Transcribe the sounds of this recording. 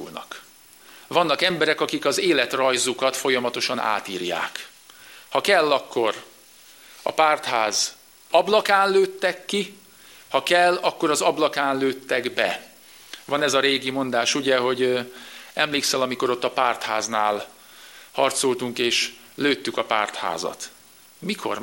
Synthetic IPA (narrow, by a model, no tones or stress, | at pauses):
ṵlnɒ̰k | vɒnːɒkɛmbɛɾɛkɒkikɒzeːlɛt̪rɒjzukɒt̪fo̞jɒmɒt̪o̞ʃɒna̰ːt̪iːrja̰ːk | hɒkɛlːɒkːo̞r | ɒ̰paːrt̪haːz | ɒblɒkaːnløːt̪ːɛkːi | hɒkɛlːɒkːo̞ɾɒzɒblɒkaːnløːt̪ːɛɡbɛ̰ | vɒnɛzɒɾeːɡimo̞nd̪aːʃuɟɛɦo̞ɟ | ɛmleːksɛlɒmiko̞ɾo̞t̪ːɒpaːrt̪ha̰ːznaːl | hɒrt̪so̞lt̪uŋkeːʃ | løːt̪ːykɒpa̰ːrt̪ha̰ːzɒ̰t̪ | mikʰo̞̰r